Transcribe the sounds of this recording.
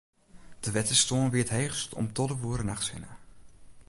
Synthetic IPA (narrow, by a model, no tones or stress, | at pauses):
d̥əʋɛtəstoːnʋɪətɦejχstɔ̰mtɔdəʋuːɾənaχsʋɪ̰nə̰